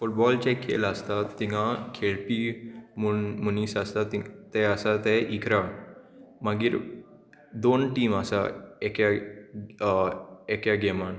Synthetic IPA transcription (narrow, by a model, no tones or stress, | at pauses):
fuʈ̚bɔlt͡ɕɛkʰːḛləst̪at̪ːiɦãkʰeɭpiːmumunisəst̪at̪it̪ːɛəsat̪ɛʔikɾa | məɡiːɾ | d̪onʈiːməsaekja | ekjaɡɛman